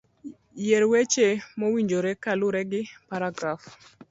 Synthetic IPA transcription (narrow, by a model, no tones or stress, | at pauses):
jeɾwet͡ʃemowiɲd͡ʒoɾɛkalʊɾɛɡɪpaɾaɡɾaf